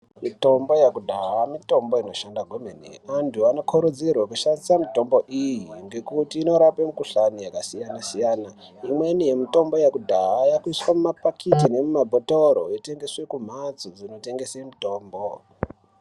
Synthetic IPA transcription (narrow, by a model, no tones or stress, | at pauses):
mito̞mbo̞jakudʱaɦamito̞mbo̞ino̞ʃandaɡʱomenḭantʰuano̞kʰuɾud͡zirwakuʃandisamito̞mbo̞ʔijiŋɡe̞kutiːno̞ɾapemukuɬanojakasijanasijana | imwe̞nijemito̞mbo̞jakudʱaɦajakuiswamumapakʰitine̞mumabʱotoɾo̰ite̞ŋɡe̞swe̞kum̤at͡sod͡zino̞te̞ŋɡe̞semito̞ːmbo